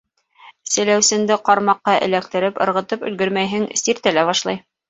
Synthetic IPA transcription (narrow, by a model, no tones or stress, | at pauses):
sɘ̆læwsɘ̆nd̪ɘqɑɾmɑqːɑʔɘ̰̆læk̚t̪ɘ̆ɾɘpɤ̆ɾʁɤ̆t̪ɤpɵ̆lɡɘɾmæjɦɘŋsiɾt̪ælæβɑʃlˠɑj